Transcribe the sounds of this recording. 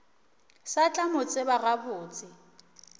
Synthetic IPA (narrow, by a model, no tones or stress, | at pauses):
sat͡ɬʼamʊt͡sʼɪbaɣabʊːt͡sʼɪ